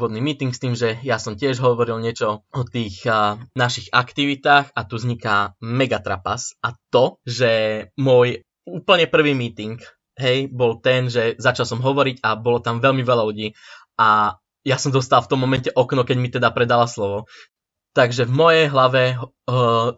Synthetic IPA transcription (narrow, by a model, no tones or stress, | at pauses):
ʋɔd̪niːmiːt̪iŋkst̪iːmʒɛjasɔmcɪɛʒɦɔʋɔɾilɲɪɛt͡ʃɔɔt̪iːxnaʃiɣakt̪iʋit̪aːxat̪uzɲikamɛɡat̪ɾa̰pasʔat̪ɔʒɛmʊɔj | uːpl̩ɲɛpr̩ʋiːmiːt̪iŋk | ɦɛjbɔlt̪ɛnʒɛzat͡ʃalsɔmɦɔʋɔɾiɟabɔlɔt̪amʋɛʎmiʋɛlaluɟiːʔa | jasɔmzɔst̪alft̪ɔmːɔmɛncɛʔɔknɔkɛɟmit̪ɛd̪apɾɛd̪alaslɔʋɔ | t̪aɡʒɛvmɔjɛjɦlaʋɛɦ